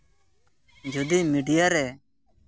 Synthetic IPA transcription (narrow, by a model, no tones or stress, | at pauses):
d͡ʒʱʊd̪iːmiːɖɪjaːɾɛː